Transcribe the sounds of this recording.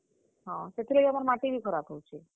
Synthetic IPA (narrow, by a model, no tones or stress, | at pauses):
ɦãt̪et̪ʰiləɡəmaɾamaʈibʱikʰəɾabɦəwt͡ʃʰe